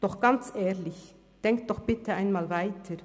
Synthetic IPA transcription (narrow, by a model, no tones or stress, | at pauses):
d̪̥ɔχɡ̥ɑnt͡seːɾlɪç | d̪̥ɛŋkd̪̥ɔχb̥ɪt̪ʰəæɪnmɑːlʋæɪt̪ʰəɾ